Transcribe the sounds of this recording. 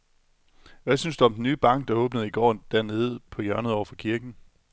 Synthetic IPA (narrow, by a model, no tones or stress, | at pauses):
ʋæsynsd̥uɒ̽md̥en̩ːyːb̥ɑ̈ŋ̰ɡ̥̚d̥ɑ̈ɔ̽ːb̥nəð̞̩ˠiɡ̥ɒ̰ːd̥æɐne̝ːð̞̩ˠpʰɒ̽jɶɐnəð̩ˠɒʊɐfɒ̽kʰiɐɡ̥n̩